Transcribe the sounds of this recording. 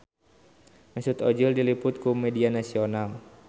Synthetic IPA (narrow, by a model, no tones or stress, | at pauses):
mɛsʊt̪ɔd͡ʒʊldilipʊt̪̚kumɛdianasional